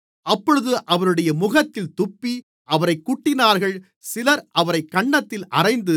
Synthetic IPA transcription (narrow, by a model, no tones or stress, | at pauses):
ɐpːɔɻɯðɯʔɐʋɐɾɯɽɐjɐmʊɣɐt̪ːɪlt̪ʊpːi | ʔɐʋɐɾɐɪkːʊʈːɪnaːɾɣɐɭ | sɪlɐɾʔɐʋɐɾɐɪkːɐɳːɐt̪ːɪlʔɐrɐɪnd̪ɯ